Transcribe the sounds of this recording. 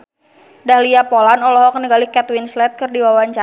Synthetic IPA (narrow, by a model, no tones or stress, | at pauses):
dahliapɔlanɔlɔɦɔkəniɡalikɛt̪winslɛt̪̚kɨrdiwawaɲt͡ʃa